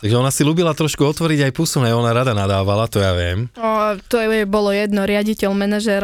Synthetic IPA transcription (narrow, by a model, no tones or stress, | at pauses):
t̪aɡʒɛɔnasiluːbilat̪ɾɔʃkuɔt̪ʋɔɾiɟajpuːsɔmnaɔnaɾad̪anad̪aːʋalat̪ɔjaʋɪɛ̰mɔt̪ɔjɛbɔlɔjɛd̪nɔɾɪaɟicɛlmɛnaʒɛɾ